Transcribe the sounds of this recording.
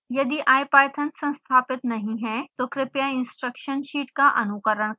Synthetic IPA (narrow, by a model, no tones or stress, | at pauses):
jɐd̪iʔaːjpaːt̪ʰə̃nsɐ̃nst̪ʰaːpɪt̪nɐɦĩɦɛt̪oːkɾɪpjaɪ̃nsʈɾəkʃənʃiːʈkaʔɐnʊkəɾəɳ̃